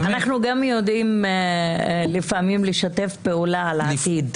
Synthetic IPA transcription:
anaχnuɡamjo̞d̪im | lifamimliʃat̪e̞fpe̞ulaalaat̪id̪

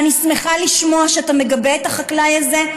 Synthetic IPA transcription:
anisme̞χaliʃmo̞aʃeatame̞ɡabeetaχaklajaze̞

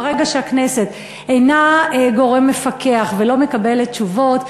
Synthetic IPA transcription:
ʁeɡaʃeaknese̞t̪ | ejnaeɡo̞ʁe̞mːe̞fakʰe̞aχvelo̞mekabe̞let̚ːt͡ʃuvo̞t̪

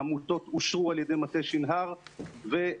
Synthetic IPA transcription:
amuto̞t̪uʃʁualjedejmateʃinɦaʁve

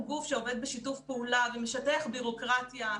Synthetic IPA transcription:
ɡufʃeo̞ve̞d̪̚beʃitufpeulavemeʃateχbiʁo̞kʁatja

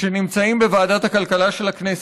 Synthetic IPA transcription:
enimt͡saimbevaːd̪at̪hakalkalaʃe̞laknes

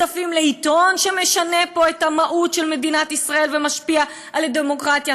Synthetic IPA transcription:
afimleit̪o̞nʃe̞me̞ʃane̞po̞etamaʔutʃe̞lme̞dinatisʁae̞lvemaʃpia | aledemo̞kʁatja

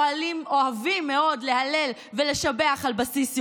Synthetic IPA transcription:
alimo̞avimːe̞o̞dle̞ɦale̞l | vele̞ʃabeaχalbasisj

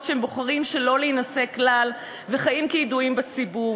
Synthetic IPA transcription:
ʃhemboχaʁimʃelo̞liːnase̞klal | veχajimkiiduimbet͡sibu

